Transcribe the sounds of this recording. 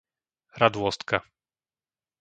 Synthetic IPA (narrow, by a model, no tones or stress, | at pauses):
ɾad̪wɔst̪ka